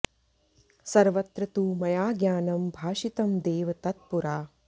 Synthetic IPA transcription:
sɐɾʋɐt̪ɾɐt̪uːmɐjaːɡjaːnɐmbʱaːʃit̪ɐmd̪eːʋɐt̪ɐt̪̚puɾaː

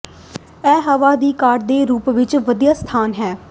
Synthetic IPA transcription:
ɛːɦəʋaːd̪iːkaːʈd̪eːɾuːpʋɪt͡ʃʋəd̪ijaːst̪ʰaːnɦɛː

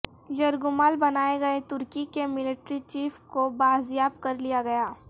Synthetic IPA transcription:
jɐɾɡʊmaːlbɐnaːeɡɐet̪ʊɾkikemɪlɪʈɾit͡ʃiːfkobaːzjaːbkɐɾlijaɡɐjaː

